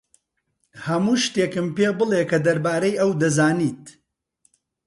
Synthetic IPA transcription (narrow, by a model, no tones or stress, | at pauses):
hɐmuːʃt̪eːkɨmpeːbɨlˠekʰɐd̪ɐɾbaːɾɐjʔɐwd̪ɐzaːniːt̪